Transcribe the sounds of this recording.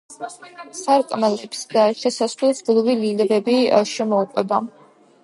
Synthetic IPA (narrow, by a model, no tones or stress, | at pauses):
saɾkʼmɛlɛpsd̪aʃɛsasvlɛsɡlˠvililɛɾɛbia̰ʃɛmɔːqʼwɛba